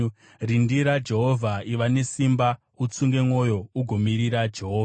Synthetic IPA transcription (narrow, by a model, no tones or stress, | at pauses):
rindiɾad͡ʒe̞ɦovʱaiʋane̞simba | ut͡suŋɡe̞mo̞jo̞uɡʱo̞miɾiɾad͡ʒe̞ɦoːv